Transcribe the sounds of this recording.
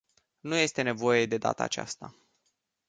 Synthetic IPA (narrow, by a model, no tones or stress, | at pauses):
nuje̞st̪e̞ne̞vo̞je̞d̪e̞d̪a̰t̪ə̰aːt͡ʃa̰st̪a